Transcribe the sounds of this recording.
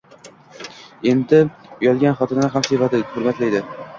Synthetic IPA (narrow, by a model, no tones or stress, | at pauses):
e̞nd̪ɪjɒlˠɡʲanχɒt̪ʰɪnnɪɦamsɪvat̪ɪhʊɾmat̪lajd̪ɪ